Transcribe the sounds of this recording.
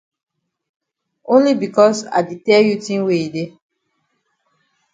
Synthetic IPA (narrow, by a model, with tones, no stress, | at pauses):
õ˦nli˦bi˨kɔ˦sa̰˨di˨tɛ˦lju˦tĩ˦nwe˦i˨de˦